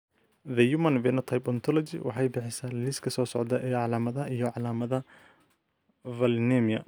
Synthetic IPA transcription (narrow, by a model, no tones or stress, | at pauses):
ðɐjumɐnvɛnɐt̪ʰɐjpɔnt̪ʰɔlɔt͡ʃḭwʔɑ̰ħɑjbɪħɪsaːlɪskʰɐsɔːsɔʕd̪ɐʔʕɑlaːmɐðɐijɔʕɑlaːmɐðɐ | vɐlnɛmijɐ̰